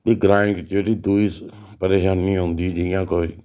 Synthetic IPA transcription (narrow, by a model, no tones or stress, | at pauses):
eɡɾãːɪ̃kt͡ʃeːʈiːd̪uiːs | pəɾeːʃaːnĩːɦõʊ̃nd̪iːd͡ʒɪjãːkoːiː